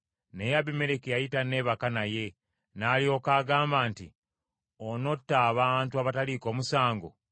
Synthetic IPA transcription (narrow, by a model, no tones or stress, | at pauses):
ne̞jaβime̞ɾekejajitane̞ːβakanaje̞ | naːlio̞kaːɡaːmbaːntḭ | ono̞tːaːβaːntuaβataliko̞ːmusaːŋɡo̞̰